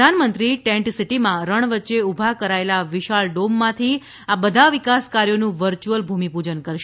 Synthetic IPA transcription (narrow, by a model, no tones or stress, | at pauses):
anmənt̪ɾiʈɛ̃ɳʈsiʈimãɾəɳ̃ʋətːʃeubʱakəɾaelaʋiʃaɭɖomːãt̪ʰi | abəd̪ʱaʋikaskaɾjonũʋəɾt͡ʃuəlbʱumipud͡ʒənkəɾʃ